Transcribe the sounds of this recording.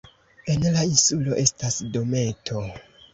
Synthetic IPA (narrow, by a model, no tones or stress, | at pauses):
e̞nlainsulo̞ʔe̞stasdo̞me̞tʰo̞